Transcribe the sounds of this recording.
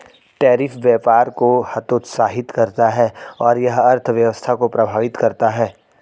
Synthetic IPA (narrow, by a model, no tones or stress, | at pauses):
ʈɛːɾɪfʋjɛːpaːɾkohɐt̪ʊt̪saːɦɪt̪kɐɾt̪aɦɛːɔːɾjɐɦɐɾt̪ʰʋjɐʋəst̪ʰakopɾɐbʱaːʋɪt̪kɐɾt̪aɦɛː